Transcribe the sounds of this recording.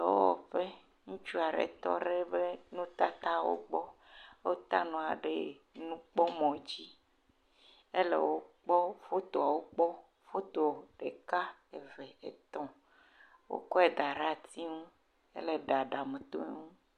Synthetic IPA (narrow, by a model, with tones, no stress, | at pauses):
wo̰˦wɔ̰˨ɸe˦ | ŋũ˦t͡ʃu˦a˨ɖḛ˨t̪ɔ̰˦ɖe˦be˦nũ˦t̪a˦t̪a˦wo̰˦k͡pɔ˦ | wo˦t̪a˦nɔ̃˨a˨ɖe˦ | nũ˦k͡pɔ˦mɔ̃˨d͡ʑi˦ | e˦lḛ˨wo˦k͡pɔ˦fo˦t̪o˨a˨wo˦k͡pɔ˦ | fo˦t̪o˨ɖe˨ka˦e˨vɛ˨e˨t̪ɔ̃˦ | wo̰˦kɔ˦e˨d̪a˨ɾa˦t̪i˦ŋũ˦ | ḛ˦le˨ɖa˨ɖa˨me˨t̪o̰˦e˦ŋũ˦